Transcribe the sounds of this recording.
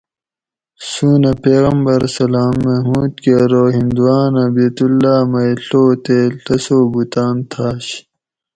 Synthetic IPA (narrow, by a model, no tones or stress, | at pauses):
suːnɐpeːɣɐmbɐɾsɐlaːmːemuːd̪̚keɾoːɦind̪uwaːnɐbeːt̪ulːaːmɐjɬoːt̪eɬɐsoːbut̪aːnt̪ʰaːɕ